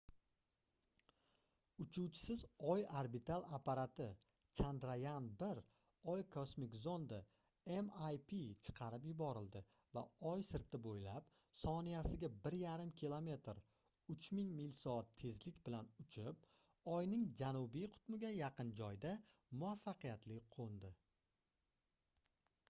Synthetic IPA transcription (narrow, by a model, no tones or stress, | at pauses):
ʊt͡ʃʰuwt͡ʃʰɪ̥sɪzɒjaɾbit̪ʰalˠapʰaɾat̪ʰɪ | t͡ʃʰand̪ɾajanbɪɾ | ɒjkʰosmikzo̞nd̪a | emajpʰit͡ʃʰɨ̥qʰɑɾɪpjʊbɒɾɪld̪ɪ | va̰ɒjsɪɾt̪ʰɪbojlap | sɒnijasɪɡʲabɪɾjaɾɪmkʲʰilˠome̞t̪ʰɾ | ʊt͡ʃʰmɪŋmilsɒat̪ʰːe̞zlɪkʲbɪlanʊt͡ʃʰɪp̚ | ɒjnɪŋd͡ʒanʊbijqʰʊ̥t̪mɪɡʲajaqɨnd͡ʒɒjd̪amʊafːɑqijat̪lɪqʰond̪ɪ